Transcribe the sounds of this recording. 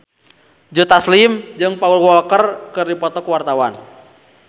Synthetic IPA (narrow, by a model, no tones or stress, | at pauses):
d͡ʒut̪aslimd͡ʒɨŋpaulwɔlkərkɨrdipɔt̪ɔkuwart̪awan